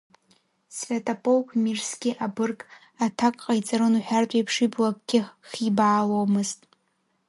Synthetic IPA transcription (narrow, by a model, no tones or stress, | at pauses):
svʲetʰapʼolkʷʰmirskʲɪʔabɨrkʼ | atʰakʼqʼajt͡sʼaɾɨnuħᶣartʷʼejpʰʂiblak̚ʼɡ̥ʲɪχibaːlomɨztʼ